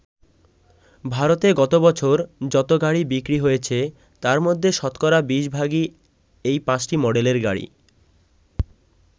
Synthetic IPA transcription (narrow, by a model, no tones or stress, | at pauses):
bʱaɾot̪eɡɔt̪obɔt͡ɕʰoɾd͡ʑɔt̪oɡaɽibikɾiɦojet͡ɕʰe | t̪aɾmod̪ʱːeʃɔt̪kɔɾabiʃbʱaɡi | ejpãt͡ɕʈimɔɖeleɾɡa̰ɽḭ